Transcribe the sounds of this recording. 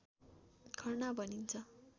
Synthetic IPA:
kʰʌrnabʱʌnint͡sʰʌ

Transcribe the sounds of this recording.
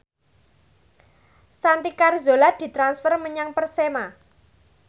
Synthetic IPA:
sant̪ikarzolad̪̥i̤t̪ɾansfərməɲaŋpərsema

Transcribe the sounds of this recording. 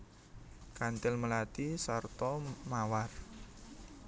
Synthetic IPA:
kant̪ɪlməlat̪isart̪ɔmawar

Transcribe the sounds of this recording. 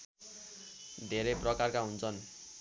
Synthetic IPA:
d̪ʱeɾeprʌkarkaɦunt͡sʰʌn

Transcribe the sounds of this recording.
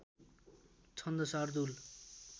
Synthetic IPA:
t͡sʰʌnd̪ʌsard̪ul

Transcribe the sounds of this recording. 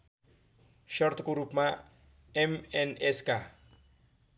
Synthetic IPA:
ʃɔɾt̪ɡuɾupma | ɛmɛnɛska

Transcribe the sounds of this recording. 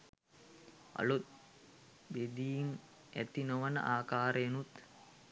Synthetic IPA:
ɐ̰lut̪̚ | bed̪iːm | æ̰t̪inoʋənə̰ʔaːkaːɾəjenut̪

